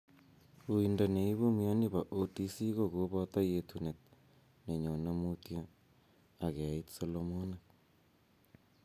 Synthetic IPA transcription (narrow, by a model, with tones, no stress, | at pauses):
u˨i˨nda˨ne˨i˦βo˦mja˦ni˦βa˨ʔo˦ti˦si˦ɣo˨ɣo˦βo˦t̪a˦je˨tʰu˨ne˨t̚ | ne˨ɲo˨na˦mu˦tja˦ | a˨ɣe˨a˨i˦tso˦lomo˦na